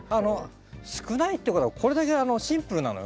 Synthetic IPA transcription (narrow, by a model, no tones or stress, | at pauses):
ano̞ | sɨ̥kɯnait̪ːeiɯkot̪oakʰo̞ɾe̞d̪ake̞ano̞ɕĩmpɯ̟ɾɯ̟na̰nojo̰